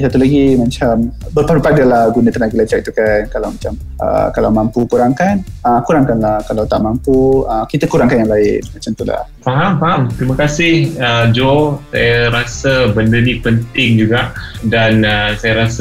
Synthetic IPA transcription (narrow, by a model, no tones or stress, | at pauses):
sat̪ulaɡimat͡ʃambərpaɾupadalahɡunat̪ənaɡəlad͡ʒaʔit̪ukankalawmat͡ʃam | ʔə̰kalawmampukuɾaŋkanəkuɾaŋkanlahkalawt̪aʔmampuəkit̪əkuɾaŋkanjaŋlaɪnmat͡ʃamt̪ula̰hfaɦamfaɦamt̪ɾimakasɪhəd͡ʒosa̰jaɾasəbəndənĩpənt̪ɪŋd͡ʒuɡaʔdanəsajaɾas